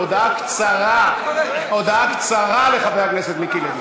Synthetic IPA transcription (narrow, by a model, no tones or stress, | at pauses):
od̪aakt͡saʁa | od̪aakt͡saʁaleχabeʁakneset̪mikiled̪